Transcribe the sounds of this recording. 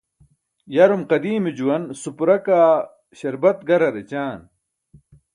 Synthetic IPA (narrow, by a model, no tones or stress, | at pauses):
jɐɾumqɐd̪iːmid͡ʑuwɐnsupɾɐkaː | ɕɐɾbɐt̪̚ɡɐɾɐɾet͡ɕaːn